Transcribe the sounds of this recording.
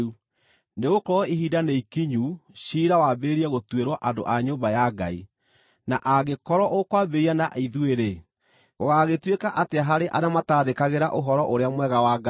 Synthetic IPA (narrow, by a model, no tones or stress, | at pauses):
u | neɣokɔiɦidaneikiɲuɕiɾawabeɾiɛɣotweɾwɔʔando̰ʔaɲoːmbajaɡa̰ḭ | naʔaɣekɔɾɔʔokwabeɾianaʔiðueɾe | ɣoɣaɣetwekaʔateaɦaɾeʔa̰namataːðekaɣeɾaʔoɦɔɾɔʔoɾeamwɛɣawaɡa